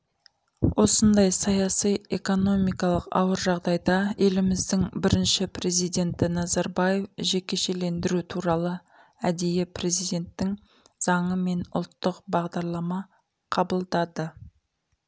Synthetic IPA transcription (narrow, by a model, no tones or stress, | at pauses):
wʔo̞sənd̪ɑjsɑjɑsijeko̞no̞mijkɑlˠəqɑ̰wəɾʒɑʁd̪ɑjd̪ɑe̞lɪmɪzd̪ɪŋbɪɾɪnʃɪpɾe̞zijd̪e̞nt̪ɪnɑzɑɾbɑje̞fʒe̞kʲe̞ʃe̞le̞nd̪ɪɾut̪ʰuɾɑlˠə | æd̪e̞jepre̞zijd̪ʲe̞nt̪ːɪŋ | z̥ɑɴəme̞nʊ̰lˠt̪ːəqbɑʁd̪ɑɾlˠɑmɑ | qʰɑbəlˠd̪ɑd̪ə